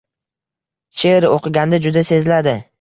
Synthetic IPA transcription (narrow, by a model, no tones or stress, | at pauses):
t͡ʃʰeɾoqʰɨɡʲand̪ad͡ʒʊd̪ase̞zlad̪ɪ